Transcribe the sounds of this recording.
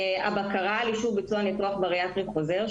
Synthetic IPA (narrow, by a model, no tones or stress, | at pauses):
a̰bakaʁaliʃuvbit͡sualit̪ʁoaχbeʁeatʁiχo̞zeʁ